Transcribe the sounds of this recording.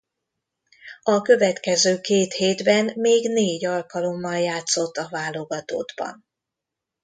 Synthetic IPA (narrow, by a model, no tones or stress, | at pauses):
ɒkø̞vɛt̪kɛzøːkeːt̪heːd̪bɛnmeːɡneːɟɒlkɒlo̞mːɒljaːt̪so̞t̪ːɒvaːlo̞ɡɒt̪o̰ːd̪bɒ̰n